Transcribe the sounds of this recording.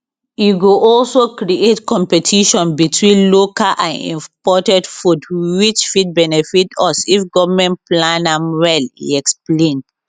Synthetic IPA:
juɡuʔɔlsokɹietkɔ̃mpɛtʰiʃɔ̃nbitʰwĩnlokalʔã̰nḭ̃pɔtɛdfudwit͡ʃfit̚bɛnɛfitɔsifɡɔvmɛ̃ntplãnãmwɛlḭɛksplẽn

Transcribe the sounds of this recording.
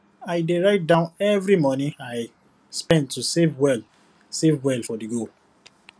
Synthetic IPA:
aɪdeɹaɪt̚dãʊ̃nɛvɹimɔnĩaɪ | spɛ̃ntːusevwɛl | sevwɛlfɔdiɡo

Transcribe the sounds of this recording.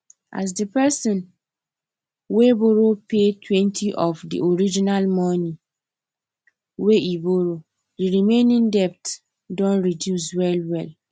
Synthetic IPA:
ʔa̰s̬dipɛsɔ̃n | weboɾopʰetʰwɛ̃ntʰiʔɔfdḭʔoɾid͡ʒinalmɔ̃nĩ | weiboɾo | diɾimẽnĩŋdɛp̚t | dɔ̃nɹidjus̬wɛlwɛl

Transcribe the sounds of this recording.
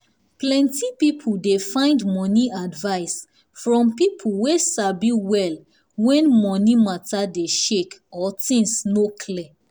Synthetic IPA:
plɛ̃ntipipʰuldefãɪ̃ndmɔniadvaɪs | fɹɔ̃mpipʰulwesabiwɛl | wɛ̃nmɔnimatadeʃekɔtĩŋsnokʰlɛ

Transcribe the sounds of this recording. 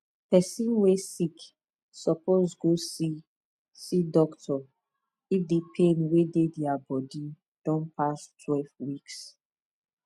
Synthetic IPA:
pɛsĩnwesik | sɔpozɡosi | sidɔktʰɔ | ifdepʰẽnwedediabɔdi | d̥ɔ̃npastʰwɛlvwiks

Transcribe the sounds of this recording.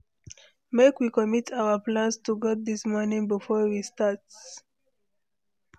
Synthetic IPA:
mekwikɔmitʰawəplãnstuɡɔt̚d̪ismɔnĩŋbifɔɹwistat

